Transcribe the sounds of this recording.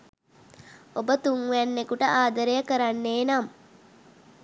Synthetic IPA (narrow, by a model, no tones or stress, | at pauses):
obət̪uŋʋænːekuʈəʔaːd̪əɾejəkəɾanːeːnam